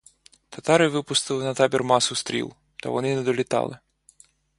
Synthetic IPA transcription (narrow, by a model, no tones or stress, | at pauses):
t̪at̪aɾɨvɨpust̪ɨlˠɨnɐt̪abʲɛrmasust̪ɾʲḭlˠ | t̪ɔ̰vɔ̰nɨnɐd̪ɔlʲit̪a̰lˠɨ̰